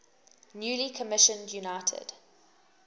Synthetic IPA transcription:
njuːlikʰəmɪʃə̃ndjunaɪtʰɪ̰d̥

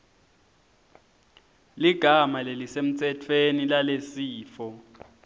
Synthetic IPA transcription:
liɡ̥ʱamalelisem̩t͡sʰʼɛtʰwenilalesiːfɔ

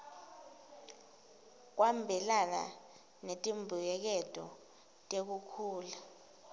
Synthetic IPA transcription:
k̬wambʱɛlana̰ | netʼimbʱujɛk̬ɛtʼɔ̰ | tʼek̬ukʰuːla

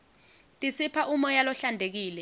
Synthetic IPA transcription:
tʼisipʰaʔumɔjalɔɬandʱek̬iːlɛ

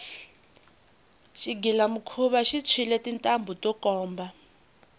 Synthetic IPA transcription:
ʃiɡilamukʰuβaʃit͡sʰilɛtintʼambʱutʼɔkʼɔːmba

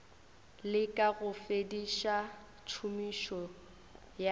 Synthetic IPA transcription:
lɪkʼaɣʊfediʃa | t͡ʃʰumiʃɔ | ja

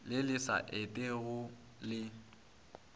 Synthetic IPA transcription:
lɪlɪsa̰ʔetʼeɣʊ | lɪ

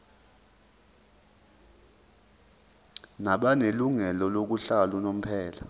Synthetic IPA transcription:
naɓaneluŋɛlɔlok̬uɬalunom̩pʰɛːla

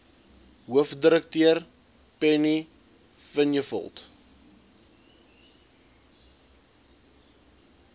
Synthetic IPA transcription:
ɦuəfdəɾək̚tiər | pɛni | fənjəfə̰lˠt

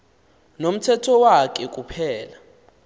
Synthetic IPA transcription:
nom̩tʰɛtʰɔwak̬ʼɛk̬ʼupʰɛːla

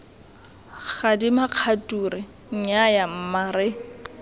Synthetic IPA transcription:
χadimaq͡χʰatʼuɾɪ | ɲ̩ɲajam̩maːɾɪ

